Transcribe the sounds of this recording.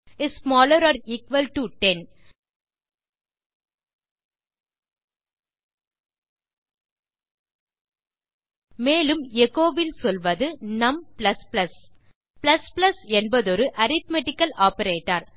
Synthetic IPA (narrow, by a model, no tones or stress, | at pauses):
ɪssmaːlɐɾɔːɾiːkʋɐlʈuʈɛn | meːlɯmjɛɣoːʋɪlsɔlʋɐðɯnɐmplɐsplɐs | plɐsplɐsɛnbɐðɔɾɯʔɐɾɪt̪̚mɛʈːɪkːɐlaːpɐɾeːʈːaɾ